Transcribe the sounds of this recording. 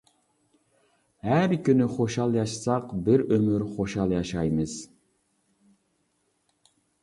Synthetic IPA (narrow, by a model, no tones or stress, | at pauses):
hæɾkʲynyχoʃɑlˠjɑʃsɑqbɪɾømyɾχoʃɑlˠjɑʃɑjmɨz̥